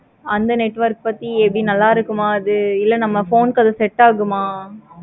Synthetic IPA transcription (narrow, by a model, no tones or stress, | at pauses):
ɐnd̪ɐnɛʈːʋɐɾk̚pɐt̪ːiɛpːɐɽinɐlːaːɪɾɯkːɯmaːɐðɯɪlːɐnɐmːɐfoːnkɐðɯsɛʈːaːɣɯmaː